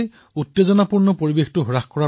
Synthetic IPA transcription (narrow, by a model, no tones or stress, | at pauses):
j | utːezɔnapuɹnɔpoɹibextʊɦuɹaxkɔɹa